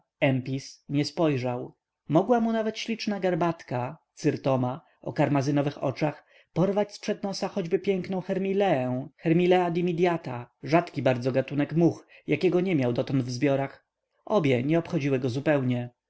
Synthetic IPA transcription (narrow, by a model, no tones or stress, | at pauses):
ɛmpʲisɲɛspɔjʐaw | mɔɡwamunavɛt̪ɕlʲit͡ʂnaɡaɾbat̪kat̪sɘɾt̪ɔma | ʔɔ̰kaɾmazɘnɔvɘxɔ̰t͡ʂax | pɔɾvat͡ɕspʂɛd̪nɔsaxɔd͡ʑbɘpʲjɛŋknɔ̃w̃xɛɾmʲilɛɛxɛɾmʲilɛad̪imʲid̪ʲjat̪aʐat̪kʲibaɾd̪zɔɡat̪unɛkmuxjakʲɛɡɔɲɛmʲjawd̪ɔt̪ɔnd̪vzbʲjɔɾax | ʔɔbʲjɛɲɛɔpxɔd͡ʑiwɘɡɔzupɛwɲɛ